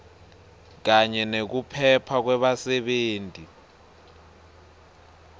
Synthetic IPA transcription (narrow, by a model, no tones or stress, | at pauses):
k̬aɲɛnek̬upʰɛpʰak̬wɛɓasɛɓeːntʼi